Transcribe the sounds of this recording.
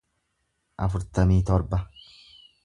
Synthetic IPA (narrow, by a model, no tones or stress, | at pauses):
ʔɐfʊɾt̪ɐmiːt̪ɔɾbɐ